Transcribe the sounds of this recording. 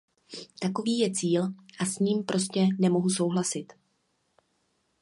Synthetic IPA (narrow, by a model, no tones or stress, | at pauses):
t̪ako̞viːjɛt͡siːlʔasɲiːmpɾʔo̞scɛnɛmo̞ɦuso̞wɦlasɪt̪